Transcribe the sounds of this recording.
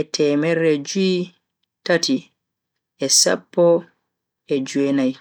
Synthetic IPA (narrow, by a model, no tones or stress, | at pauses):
ɛtʰɛːmɛɾɛd͡ʒui | tati | ɛsa̰pːɔ | ɛd͡ʒuɛnaj